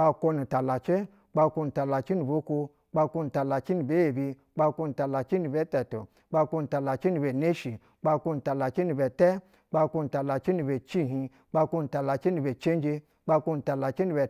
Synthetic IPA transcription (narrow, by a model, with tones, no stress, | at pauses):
k͡pa˧ko˧nu˨ta˨la˨t͡ʃe˦ | k͡pa˧ko˧nu˨ta˨la˨t͡ʃi˦ni˨bo˦ku˧ | k͡pa˧kʷo˧nu˨ta˨la˨t͡ʃi˦nu˨be˨˦je˨bi˧ | k͡pa˧ko˧nu˨ta˨la˨t͡ʃi˦ni˧be˦te˨to̰˨ | k͡pa˧kʷo˧nu˨ta˨la˨t͡ʃi˦nu˨be˨ne˦ʃi˨ | k͡pa˧ko˧n˨ta˨la˨t͡ʃi˦ni˧be˨te˦ | k͡pa˧ko˧nu˨ta˨la˨t͡ʃi˦nu˨˧be˨t͡ʃi˦ɦĩ˧ | k͡pa˧kʷo˧nu˨ta˨la˨t͡ʃi˦ni˧be˨t͡ʃe˦n˦d͡ʒe˧ | k͡pa˧ko˧nu˨ta˨la˨t͡ʃi˦ni˧be˨